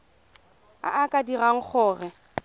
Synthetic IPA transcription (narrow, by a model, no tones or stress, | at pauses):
a̰ʔakʼadiraŋ̩k͡xʰɔːrɛ